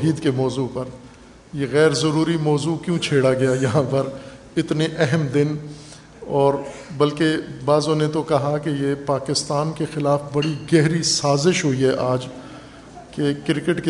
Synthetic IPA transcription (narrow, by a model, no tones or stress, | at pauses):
ɦiːd̪kemɔːzuːpɐɾ | jeɣɛːɾzɐɾuːɾimɔːzukjũt͡ʃʰeːɽaɡɐjajɐɦãpɐɾ | ɪt̪neʔɛɦɛmd̪ɪn | ɔːɾbɐlkebaːzõnet̪okɐɦakejepaːkɪst̪aːnkexɪlaːfbɐɽiɡɛɦɾisaːzɪʃɦʊiɦɛʔaːd͡ʒ | kekɪɾɪkɪʈke